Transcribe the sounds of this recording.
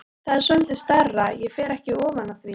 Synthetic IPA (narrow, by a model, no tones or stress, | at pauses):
θaðsœnt̪ɪ̥st̪arːajɛfɛːɾɛhcɪɔːvanaθɾi